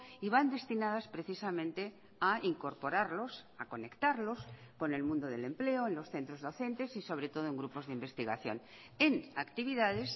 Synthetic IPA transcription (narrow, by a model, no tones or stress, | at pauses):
iβand̪e̞st̪inaðaspɾeθisamẽnt̪e̞ | aiŋko̞ɾpo̞ɾaɾlo̞sako̞ne̞kt̪aɾlo̞sko̞ne̞lmũnd̪oðe̞le̞mple̞oenlo̞sθe̞nt̪ɾo̞zðo̞θe̞nt̪e̞siso̞β̞ɾe̞t̪o̞ð̞oe̞ŋɡɾupo̞zðeimbe̞st̪iɣaθjo̰n | e̞nakt̪iβ̞iðaðe̞s